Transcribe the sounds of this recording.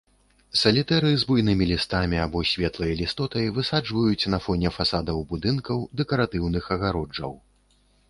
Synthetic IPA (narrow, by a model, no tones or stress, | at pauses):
sɐlʲit̪ɛɾɨzbujnɨmʲilʲist̪amʲiabɔsʲvʲɛt̪lˠɐjɐlʲist̪ɔt̪ɐjvɨsad͡ʐvɐjut͡sʲnɐfɔnʲɛfasad̪ɐwbud̪ɨnkɐwd̪ɛkɐɾat̪ɨwnɨxɐɣaɾɔd͡ʐɐ̰w